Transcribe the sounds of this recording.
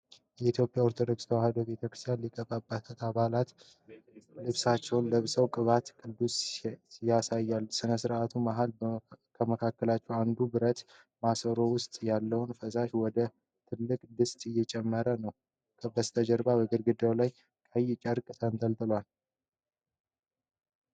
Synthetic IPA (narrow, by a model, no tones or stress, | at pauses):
jɛit̪ʰjo̞pʼjaoɾt̪ʰod̪o̞kst̪ʰəwahɨd̪obet̪ʰəkɾɨ̥st̪ʰjanlikʼəbʼabːat̪ʰət̪aβalat̪ | lɨβsat͡ʃːɛwnləβsəwkʼɨβat̪kʼɨd̪ːusjasajːalsɨnəsɨɾʔat̪ʰumaɦalkʰəməkʰakːəlat͡ʃːɛwand̪ubɨɾət̪ | masəɾo̞wʊst̪ʼjalːəwnfəsaʃwɔd̪ə | t̪ʰɨlːɨkʼlɨst̪ʼɪjːɛt͡ʃʼɛmːəɾənəw | kʰəbəst̪ʰəd͡ʒəɾbabəɡɨɾɡɨd̪awlaj | kʰʼajɪt͡ʃʼəɾkʼɨsənt̪ʰʼəlt̪ʼɨlwal